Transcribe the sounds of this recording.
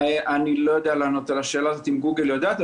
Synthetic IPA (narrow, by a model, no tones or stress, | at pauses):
ʔanilo̞jod̪ealeanot̪elaʃe̞ːlaːzo̞t̪imɡuɡeljod̪aːt̪